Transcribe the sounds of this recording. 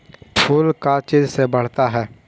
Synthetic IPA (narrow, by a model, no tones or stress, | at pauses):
pʰʊlkat͡ʃizsebəɽ̤t̪aɦɛː